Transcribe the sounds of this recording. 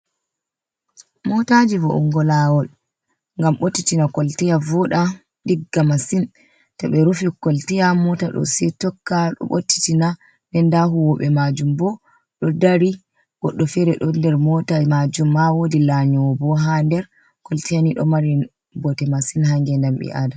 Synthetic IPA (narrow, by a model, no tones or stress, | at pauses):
mɔtad͡ʒivɔ̰ʔṵŋɡɔlawɔl | ŋɡamɓotːitinakɔltijavɔɗa | ɗiɡːamasin | tɔɓɛɾufikɔltijamɔtaɗɔ̰sɛtɔkːaɗɔ̰ɓo̰tːi̥tina | nɛndaɦuwɔɓɛmad͡ʒumbɔ | ɗɔdaɾi | ɡ̥ɔɗːɔfɛɾɛɗɔndɛɾmɔtaad͡ʒumːawodilaɲɔwɔbɔɦandɛɾ | kɔltijaniɗɔ̰maɾi | bɔtɛmasinhaŋɡɛndamɓɛ̰ʔada